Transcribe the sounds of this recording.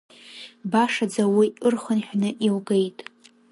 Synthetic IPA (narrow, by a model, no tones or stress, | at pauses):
baʂad͡zawiʔɨrχənħʷᶣnɨʔiwɡe̞jtʼ